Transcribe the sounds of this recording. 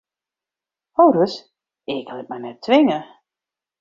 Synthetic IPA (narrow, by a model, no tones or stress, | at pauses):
owɾəs | ɪklɪt̚mɛjnɛtʰːʋɪŋə